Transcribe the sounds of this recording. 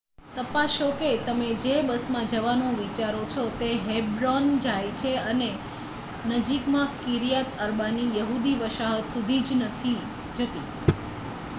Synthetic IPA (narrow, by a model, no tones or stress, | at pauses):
t̪əpaʃoket̪əmed͡ʒebəsmãd͡ʒəʋanõʋit͡ʃaɾot͡ʃʰot̪eɦebɾond͡ʒajt͡ʃʰeəne | nəd͡ʒikmãkiɾijat̪əɾbanijəɦud̪iʋəʃaɦət̪sud̪ʱid͡ʒnət̪ʰi | d͡ʒət̪i